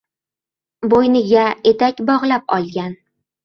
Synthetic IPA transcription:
bojnɪɡʲae̞t̪akʲbɒʁlˠap̚ɒ̰lˠɡʲan

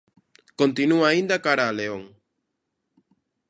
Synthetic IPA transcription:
kont̪inuaːind̪akaɾaːleoŋ

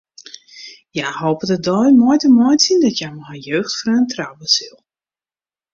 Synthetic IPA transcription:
jahoːpədədɔjmojtəmɔjsindɔtjajməhajøːxtfrøːntrawəsilˠ

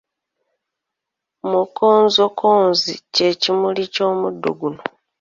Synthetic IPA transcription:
mukoːnzokʰoːnzice̞cimulico̞ːmudːo̰ɡuno

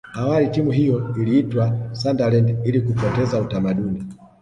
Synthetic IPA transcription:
awalitimuɦijɔiliːtwasandalɛndilikupɔtɛzautamaɗuni

